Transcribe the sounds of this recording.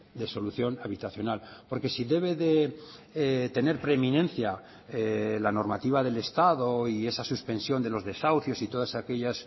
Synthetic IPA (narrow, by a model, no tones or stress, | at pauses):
d̪e̞so̞luθjo̞naβit̪aθjo̞nalpo̞ɾke̞siðe̞β̞e̞ðe̞ | t̪e̞ne̞ɾpɾemĩnẽ̞nθja | elano̞ɾmat̪iβ̞aðe̞le̞st̪aðo̞iesasuspe̞nsjo̞nd̪e̞lo̞zðe̞sawθjo̞sit̪o̞ðasake̞ʎas